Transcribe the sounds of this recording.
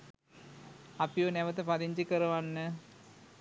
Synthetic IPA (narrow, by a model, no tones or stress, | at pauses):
apijonɛʋət̪əpad̪iɲd͡ʒikəɾɐʋanːə